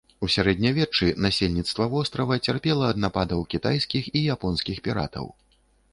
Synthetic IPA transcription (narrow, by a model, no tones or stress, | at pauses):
usʲaɾɛd̪ʲnʲɐvʲɛt͡ʂɨnasʲelʲnʲit̪st̪vɐvɔst̪ɾɐvɐt͡sʲarpʲɛlˠɐːd̪napad̪ɐwkʲit̪ajskʲixijapɔnskʲixpʲiɾa̰t̪ɐ̰w